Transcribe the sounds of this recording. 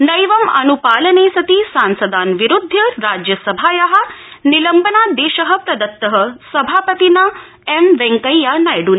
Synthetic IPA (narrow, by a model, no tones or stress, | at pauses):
nɐjʋɐmɐ̰nupaːlɐneːsɐt̪isansɐd̪aːnʋiɾud̪ʱːjɐɾaːd͡ʑjɐsɐbʱaːjɐɦa | nilɐmbənaːd̪eːʃɐɦə̆pɾɐd̪ɐt̪ːɐɦəsɐbʱaːpət̪ina | emʋɛ̃ŋkəjːanajɽuːn